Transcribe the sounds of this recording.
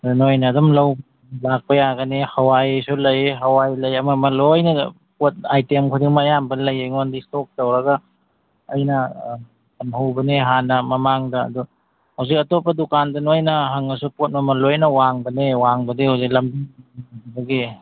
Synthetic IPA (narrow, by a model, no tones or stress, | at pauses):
dnojnɐːdɔmlɐwb | lak̚pɐjaɡɐnehɐwajejsulɐjɦɐwajlɐjɐmɐmɐlojnɐ | pot̚ajtemkʰudiŋmɐjambɐlɐjejŋondistok̚tɐwɾɐɡɐ | ɐ̰jnɐ | kamhawbɐneɦanːɐmɐmaŋdɐ̰ːdu | hɐwzikɐtopːɐdukandɐnojnɐɦaŋɐsupot̚mɐmɐlojnɐwaŋbɐnewaŋbɐdihawzik̚lɐmbiŋiabɐbɐɡi